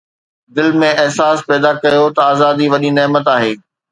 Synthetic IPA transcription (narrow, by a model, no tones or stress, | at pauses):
d̪ɪlmẽɐɦsaːspɛːd̪akɐjot̪ɐaːzaːd̪iʋɐɗineːmət̪aːɦeː